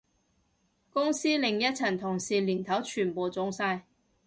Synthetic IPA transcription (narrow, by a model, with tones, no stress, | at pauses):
kʊ˥ŋsiː˥lɪ˨ŋjɐ˥t̚t͡sʰɐ˨˩nt̪ʰʊ˨˩ŋsiː˨liː˨˩nt̪ʰɐ˨˥wt͡ʃʰyː˨˩npo˨wt͡sʊ˨˥ŋsaː˧j